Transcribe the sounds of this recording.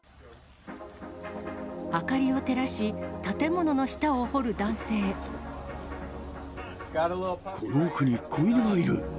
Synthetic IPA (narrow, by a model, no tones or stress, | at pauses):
akaɾʲio̞t̪e̞ɾaɕit̪at̪e̞mo̞no̞no̞ɕi̥t̪aoho̞ɾɯ̟d̪ãɰ̃se̞ː | kʰoɾoːkɯ̟ɲ̟ikʰːoinoɡaiɾɯ̟